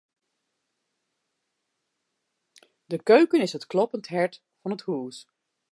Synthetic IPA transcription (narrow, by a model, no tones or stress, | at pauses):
dəkøɥkənɪsɦətklɔpəntɦɛɹt | fɑnɦəthuːs